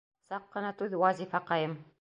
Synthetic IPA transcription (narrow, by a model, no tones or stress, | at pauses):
sɑqːɤ̆nɑt̪ʉðwɑzʲifɑqɑjɤm